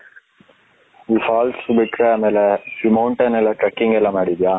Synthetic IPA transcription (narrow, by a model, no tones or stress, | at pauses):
ʋiːfaːlsbiʈːɾeaːmeːlesimɐwɳʈɐnɛlːaʈɾɐkːiŋɡɛlːamaːɽid̪jaː